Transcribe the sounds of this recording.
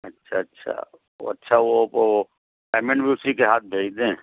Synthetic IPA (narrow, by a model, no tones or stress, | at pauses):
ɐtːʃʰa̰ɐtːʃʰa̰ | o̰ɐtːʃʰaʋop | pɛːmẽɳbʱiːsikeɦaːt̪̚bʱeːd͡ʒd̪ẽː